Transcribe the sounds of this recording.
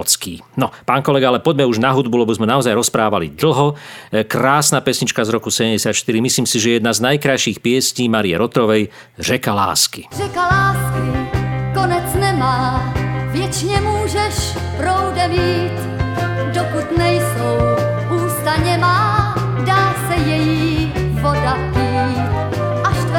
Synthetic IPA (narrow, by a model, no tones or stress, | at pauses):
t͡skiː | nɔpaːnkɔlɛɡaalɛpɔɟmɛuʒnaɦud̪̚bulɛbɔzmɛnaɔzajɾɔspɾaːʋalḭd̪l̩ɦɔkɾaːsnapɛsɲit͡ʃkazɾɔkusɛɟɛmɟɛsɪat̪ʃt̪iɾimisliːmsiʒɛɛjɛd̪naznajkɾajʃiːxpɪɛsciːmaːɾiɛ̰ɾɔt̪ɾɔʋɛj | rɛkala̰ːskirɛkalaːskikonɛt͡snɛmaːvjɛt͡ʃɲɛmuːʒɛʃ | pɾowdɛviːt͡s | dɔkut̪nɛjsow | uːst̪aɲɛmaː | daːsɛjɛji | vɔdapiː | t | ʔaʃt̪ɛ